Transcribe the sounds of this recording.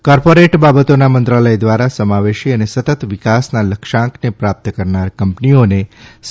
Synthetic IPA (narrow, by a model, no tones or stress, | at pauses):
kɔɾpoɾeʈbabət̪onamənt̪ɾaləjd̪ʋaɾasəmaʋeʃiənesət̪ət̪ʋikasnaləkʃãŋknepɾap̚t̪əkəɾnaɾkəmpniones